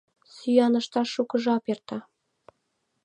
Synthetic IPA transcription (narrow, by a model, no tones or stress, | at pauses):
syjɑnɤ̆ʃt̪ɑʃukɤ̆ʒɑpert̪ɑ